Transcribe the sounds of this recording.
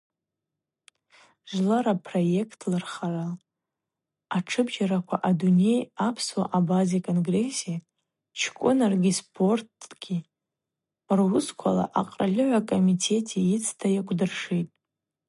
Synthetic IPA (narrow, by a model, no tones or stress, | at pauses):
ʒʷlaɾapʰro̞je̞kʰtʰlarχaʕal | aʈ͡ʂʰɨbʒaɾakʷʰaʔadune̞japʰswa̰ʔabazekʼo̞nɡre̞sia | t͡ʃʰkʷʼʊnarɡʲispʰo̞rtʰɡ̥ʲi | rwʊskʷʰala̰ʔaqʼralʲɨʕʷakʼo̞mitʰe̞tʰiit͡sʰtʰajakʷʰʼdɨrʂitʼ